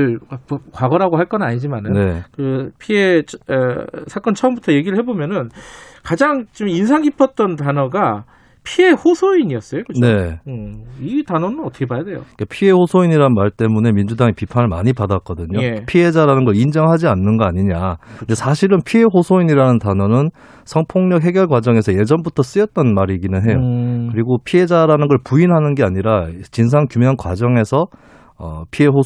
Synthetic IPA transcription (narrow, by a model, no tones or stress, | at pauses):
ɭapkwaɡʌɾaɡoɦaɭk͈ʌnɯnaɲid͡ʑimanɯne̞kɯpʰie | sʰak͈ʌnt͡ɕʰʌʌmbutʰʌje̞ɡiɾɯɭhe̞bomjʌnɯnkad͡ʑaŋt͡ɕiminsʰaŋipʰʌt̚t͈ʌntanʌɡa | pʰie̞ɸosʰoiɲiʌs͈ʌjokɯd͡ʑne̞ɯitanʌnɯnʌt͈ɯ̥kʰe̞bajade̞jo̰ikapʰie̞hosʰoiɲiɾanmaɭt͈e̞mune̞mind͡ʑudaŋepipʰanɯɭma̰ɲipadak͈ʌdɯɲoepʰie̞d͡ʑaɾanɯnɡʌɭind͡ʑʌŋɦad͡ʑianːɯnɡʌaɲiɲandesʰaɕʰiɾɯnpʰiɦe̞ɸosʰoiɲiɾanɯntanʌnɯn | sʰʌŋpʰoŋɲʌk̚ɦeɡjʌɭɡwad͡ʑʌŋe̞sʰʌje̞d͡ʑʌmbutʰʌs͈ɯjʌt̚t͈ʌnmaɾiɡinɯnɦe̞jokɯɾiɡopʰie̞d͡ʑaɾanɯnɡʌɭpuinɦanɯnɡe̞aɲiɾat͡ɕins̬ʰaŋkjumjʌnkwa̰d͡ʑʌŋe̞sʰʌ | ʌ̰pʰie̞ɦo